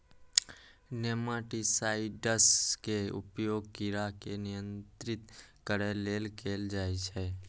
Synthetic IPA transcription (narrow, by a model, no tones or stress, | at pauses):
nemaʈisaːɪɖəskeʊ̰pjoːɡ̚kiɾakenɪjə̃nt̪ɾɪt̪kəɾeleːlkʰeːld͡ʒaːet͡ʃʰɛ